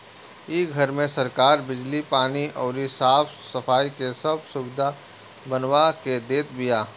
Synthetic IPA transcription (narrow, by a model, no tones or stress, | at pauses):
iːɡʱɐɾmẽsɐɾkaːɾbɪd͡ʒlipaːniʔɔːɾisaːb | sɐfʰaːikesɐbsʊbɪd̪ʱa | bɐnwaked̪eːt̪̚bijaː